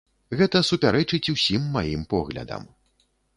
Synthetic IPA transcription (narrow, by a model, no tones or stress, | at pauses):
ɣɛt̪ɐsupʲaɾɛt͡ʂɨt͡sʲuwsʲimːajimpɔɣlʲɐ̰d̪ɐ̰m